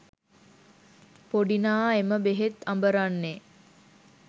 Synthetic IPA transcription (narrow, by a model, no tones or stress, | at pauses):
poɖinaːeməbeɦet̪ambəɾanːe